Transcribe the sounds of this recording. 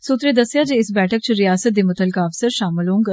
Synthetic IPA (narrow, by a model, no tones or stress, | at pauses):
sut̪ɾed̪ɐsjad͡ʒeɪsbɛːʈʰək̚t͡ʃʰəɾijaːsət̪̚d̪imət̪əlkaɐʋsəɾʃaːmɪlõːŋɡ